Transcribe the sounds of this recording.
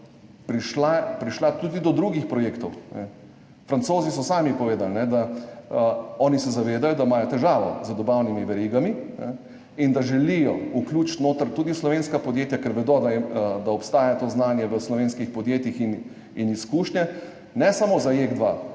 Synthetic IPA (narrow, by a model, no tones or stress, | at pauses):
pɾiʃlapɾiʃlat̪ud̪id̪ɔd̪ɾuːɡixpɾɔjeːkt̪ɔwnɛ̰ | fɾantsoːzisɔsaːmipɔʋeːd̪alnɛd̪a | ɔːnisɛzaʋeːd̪ajɔd̪aimaːjɔt̪ɛʒaːʋɔ̰zəd̪ɔbawnimiʋɛɾiːɡaminɛ̰ | ind̪aʒɛlijɔukluːt͡ʃt̪noːt̪əɾt̪uːd̪islɔʋeːnskapɔd̪jeːt̪jakɛɾʋɛd̪ɔd̪aɛd̪aɔpst̪aːjat̪oːznaːnjɛʋəslɔʋeːnskixpɔd̪jeːt̪jixin | iniskuːʃnɛ | nɛsamozajeɡd̪ʋaː